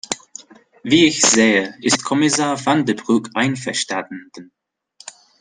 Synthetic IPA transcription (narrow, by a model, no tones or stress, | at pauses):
viːɪçz̥eːəʔɪstkʰɔmɪsaːɐvandəbʁuːkʰʔaɪnfɛɐʃtadndn